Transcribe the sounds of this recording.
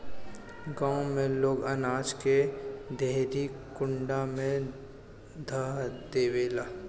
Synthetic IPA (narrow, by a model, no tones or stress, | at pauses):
ɡãːõmẽloːɡənaːd͡ʒked̪eːɾikʊ̃ɳɖamẽ | d̪ʱaːd̪eːʋeːlaː